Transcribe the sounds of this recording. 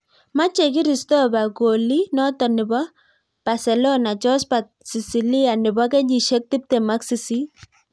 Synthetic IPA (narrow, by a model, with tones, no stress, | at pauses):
ma˦t͡ʃe˨k̬i˦ɾi˨stɔ˦ba˨ɡo˨li˦nɔ˦tɔ˨nɪ˨bɔ˦ | b̥a˨sɛ˨lɔ˦na˨t͡ʃɔ˦spa˨ | si˨si˨li˦a˨nɪ˨ba˦kɛ˦d͡ʒi˨ʃe˦k̚ti˦p̚tɛ˨ma˦ksi˨si˦